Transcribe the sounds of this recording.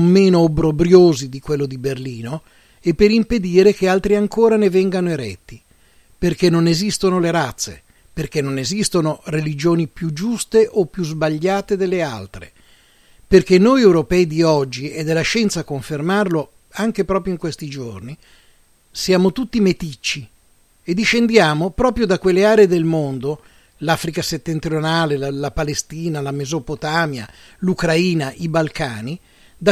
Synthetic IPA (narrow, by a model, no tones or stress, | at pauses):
mːeːnoːbɾobɾjoːzid̪ikwelːod̪iberliːno | epːeɾimped̪iːɾek̟ealt̪ɾiaŋkoːɾanevɛŋɡanoeɾɛt̪ːi | perkenːonezist̪onoleɾat̪sːḛ | perkenːonezist̪onorelid͡ʒoːnipjud͡ʒust̪eʔopːjuzbaʎːaːt̪ed̪elːea̰lt̪ɾḛ | perkenːojewɾopɛːid̪iɔd͡ʒːied̪ːelːaʃɛnt̪sakːoɱfermarlo | aŋkepɾɔːpɾjoiŋkwest̪id͡ʒorni | sjaːmot̪ut̪ːimet̪it͡ʃːi | ed̪iʃend̪jaːmopɾɔːpɾjod̪akːwelːeaːɾeed̪elmond̪o | laːfɾikaset̪ːent̪ɾjonaːlelalapalest̪iːnalamezopot̪aːmja̰ | lukɾaiːnaʔibalkaːni | d̪a